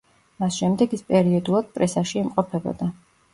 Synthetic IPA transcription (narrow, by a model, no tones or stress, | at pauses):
masʃɛmd̪ɛɡispʼɛɾiɔd̪ulˠad̪̥̚pʼɾɛsaʃiːmqʼɔpʰɛbɔ̰d̪a